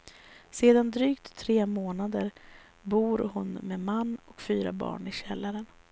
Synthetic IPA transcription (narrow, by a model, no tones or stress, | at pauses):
seːd̪and̪ɾyːkt̪ʰːɾeːmoːnad̪əɾ | buːɾhʊnmemanːɔkfyːɾa̰bɑ̰ːɳɪɕɛlːaɾən